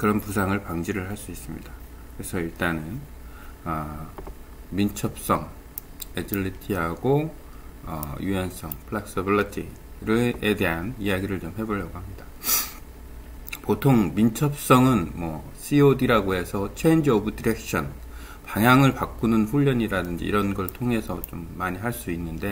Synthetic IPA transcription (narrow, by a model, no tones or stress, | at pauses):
kɯɾʌnpusʰaŋɯɭpaŋd͡ʑiɾɯɭɦaɭs͈uis͈ɯmɲḭda | kɯɾe̞sʰʌiɭt͈anɯn | ʌ | mint͡ɕʰʌp̚s͈ʌŋ | ed͡ʑiɭːitʰiɦaɡo | ʌ̰jujʌns͈ʌŋpʰɯɭeks͈ʌbiɭitʰḭ | ɾɯede̞ɦanijaɡiɾɯɭt͡ɕomɦe̞boʎjʌɡoɦamɲida | potʰoŋmint͡ɕʰʌp̚s͈ʌŋɯnmwʌ | sʰiodiɾaɡoɦe̞sʰʌt͡ɕʰeind͡ʑiʌbudiɾe̞k̚ɕʰʌn | paŋɦjaŋɯɭpak͈unɯnɸuʎːʌɲiɾadɯnd͡ʑḭḭɾʌnɡʌɭtʰoŋɦe̞sʰʌt͡ɕomːaɲiɦaɭs͈uinːɯnde̞